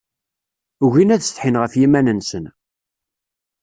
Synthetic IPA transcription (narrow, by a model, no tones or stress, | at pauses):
uʝinæðsθħinʁəfjimænənsən